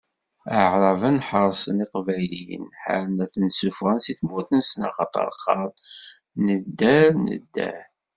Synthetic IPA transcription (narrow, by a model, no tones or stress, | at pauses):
əʕɾˤəvənħəɾˤsˤəniqvæjlḭnħa̰ɾənæθənsufʁənsiθmuθənsənɑ̰χɑ̰t̪ˤə̰ɾˤqʰːɑɾˤ | nəd̪ːæɾnə̰d̪ːæ̰ɾ